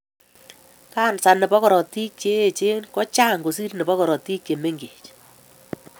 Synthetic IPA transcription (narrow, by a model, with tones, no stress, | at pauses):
kaː˦˨nsa˨ne˨bɔ˦kɔ˨ɾɔ˨ti˦kt͡ʃe˦e˨t͡ʃe˦nkɔ˦t͡ʃa˦ŋɡo˨si˦rne˨bɔ˦kɔ˨ɾɔ˨ti˦kːe˨me˦ŋɡe˨t͡ʃ